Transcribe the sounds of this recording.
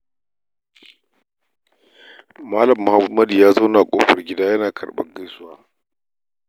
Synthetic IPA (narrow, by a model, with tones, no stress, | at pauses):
maː˦lɐ˨mːʊ˨ha˦mːɐ˦djaː˦za˦naː˨kʷʼo̰ː˦ɸɐ˨rɡʲɪ˦daː˦jɐ˦naː˨kʰɐ˨rɓɐ̰˦ŋɡɐ˦jsʊ˦waː˦